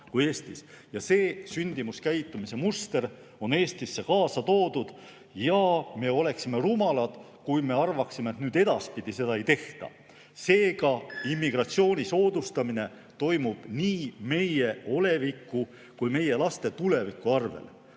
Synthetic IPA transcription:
kuje̞ːst̪is | jɑse̞ːsynʲd̪̥imuskæjt̪ˑːumise̞must̪e̞ɾ | o̞ne̞ːst̪isːe̞kɑːsɑt̪o̞ːd̪̥ud̪̥ | jɑme̞o̞le̞ksime̞rumɑlɑd̪̥ | kujme̞ɑrvɑksime̞ːt̪nyːd̪e̞d̪̥ɑspid̪̥ise̞d̪ɑe̞jt̪e̞ht̪ɑ̰ | se̞ːɡɑimːiɡ̥rɑt̪sio̞ːnʲiso̞ːd̪ust̪ɑmine̞ | t̪o̞jmub̥niːme̞je̞o̞le̞vikːˑu | kujme̞je̞lɑst̪e̞t̪ule̞vikːˑuɑrvḛl

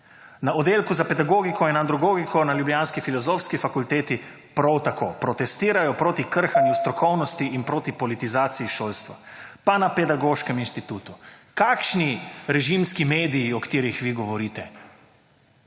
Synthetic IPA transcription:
naɔd̪eːlkuzapɛd̪aɡoːɡikʰɔɛnand̪ɾɔɡoːɡikʰɔnaljubljanskifilɔzoːfskifakult̪eːt̪i | pɾɔwt̪akoːpɾɔt̪ɛst̪iːɾajɔpɾoːt̪ikəɾxanjust̪ɾɔkɔwnɔst̪iʔinpɾoːt̪ipɔlit̪izaːt̪siiʃoːlst̪ʋa̰panapɛd̪aɡoːʃkɛminst̪it̪uːt̪ukakʃniɾɛʒimskimeːd̪ijiɔkḁt̪iːɾixʋiɡɔʋɔɾiːt̪ɛ

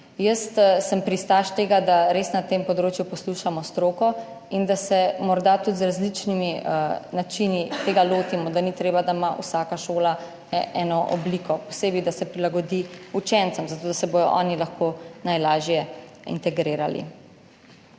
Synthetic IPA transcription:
jəst̪səmpɾist̪aʃt̪eːɡad̪aɾeːsnat̪empɔd̪ɾoːt͡ʃjupɔsluʃamɔst̪ɾoːkɔ | ind̪asɛmɔɾd̪at̪ut̪zɾazlit͡ʃniminat͡ʃinit̪eːɡaloːt̪imɔd̪anit̪ɾeːbad̪aimaʔṵsaːkaʃoːla | ɛːnɔʔɔ̰blikɔpɔseːbid̪asɛpɾilaɡɔd̪iut͡ʃɛnt̪səmzat̪oːd̪asɛboːj̪ɔ̰ʔɔːnilaxkonajlaːʒjɛḭnt̪ɛɡɾeːɾa̰lḭ

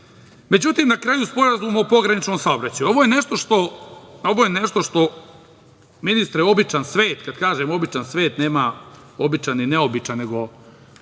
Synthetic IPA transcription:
me̞d͡ʑut̪iːmnakɾaːjuspo̞ɾazuːmopo̞ɡɾanit͡ʃnoːmsaobɾat͡ɕajuo̞ʋojeneʃt̪o̞ʃt̪oo̞ʋoːjeneʃt̪o̞ʂt̪o̞ | minist̪ɾjeo̞bit͡ʃansʋe̞ːt̪kad̪kaːʒeːmobit͡ʃansʋe̞ːt̪neːma | o̞bit͡ʃanineobit͡ʂane̞ɡo̞

